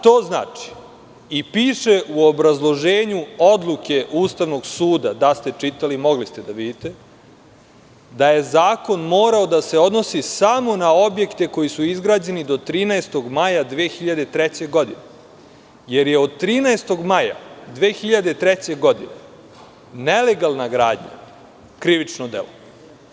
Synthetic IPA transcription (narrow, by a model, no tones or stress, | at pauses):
t̪o̞ːzna̰ːt͡ʂi̥ | ipiːʃeʔuobɾazlˠo̞ʒeːɲuo̞d̪lˠuke̞ʔuːst̪aʋno̞ɡsuːd̪ad̪ast̪e̞t͡ʂit̪alimo̞ɡlist̪e̞d̪aʋid̪it̪e | d̪aje̞zaːko̞nmo̞ːɾaod̪ase̞o̞d̪no̞sisamo̞nao̞bje̞kt̪e̞ko̞jisuizɡɾaːd͡ʑe̞nid̪o̞t̪ɾiːnaest̪o̞ɡmajad̪ʋeːxiʎad̪e̞t̪ɾɛt͡ɕe̞ɡo̞d̪ine | jeɾjeod̪̚t̪ɾiːnaest̪o̞ɡmaja̰d̪ʋeːxiʎad̪e̞t̪ɾɛt͡ɕe̞ɡo̞d̪ḭne | nele̞ɡalˠnaɡɾaːd̪ɲa̰ | kɾiʋit͡ʃnod̪ḛlo